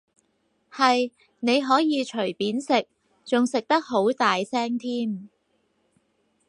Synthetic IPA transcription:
hɐ˨j | ne˨˧jɦɔː˨˥jiː˨˧t͡ʃʰɵ˨˩jpiː˨˥nsɪ˨k̚ | t͡sʊ˨ŋsɪ˨k̚t̪ɐ˥k̚ho˨˥wt̪aː˨jsɛː˥ŋt̪ʰiː˥m

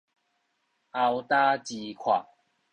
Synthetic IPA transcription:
a˧wt̪a˦t͡ɕi˧kʰwa̰˨˩

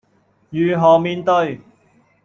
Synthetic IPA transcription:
jyː˨ɦɔː˨˩miː˧nt̪ɵ˧ɥ

